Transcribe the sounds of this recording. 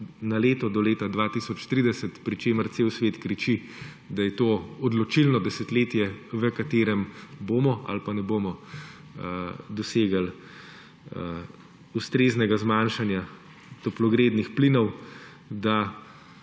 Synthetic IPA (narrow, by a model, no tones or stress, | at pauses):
naleːt̪ɔd̪ɔleːt̪ad̪ʋaːt̪isɔt͡ʃt̪ɾid̪ɛsɛt̪pɾit͡ʃeːməɾseːwsʋeːt̪kɾit͡ʃi | d̪ajɛt̪oːɔd̪lɔt͡ʃilnɔd̪ɛsɛt̪leːt̪jɛʋəkat̪eːɾɛmboːmɔa̰lpanɛboːmɔ | d̪ɔseːɡal | ust̪ɾeːznɛɡazmanʃanja | t̪ɔplɔɡɾeːd̪nixplinɔw | d̪a